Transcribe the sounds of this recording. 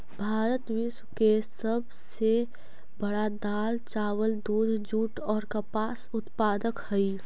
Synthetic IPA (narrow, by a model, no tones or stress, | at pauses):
bʱaːɾət̪wiswkesəb | se | bəɽad̪aːlt͡ʃaːwəld̪uːd̪ʱd͡ʒuːʈɔːɾkəpaːsʊt̪paːd̪əkhəi